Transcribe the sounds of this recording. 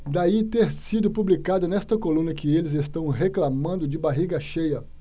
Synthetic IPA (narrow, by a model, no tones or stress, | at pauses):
d̪ait̪eɾsid̪ʊpublikad̪ɐnɛst̪ɐkolũnɐkɪelɪzest̪ɐ̃w̃ɦeklamɐ̃nd̪ʊd͡ʒɪbaɦiɡɐʃejɐ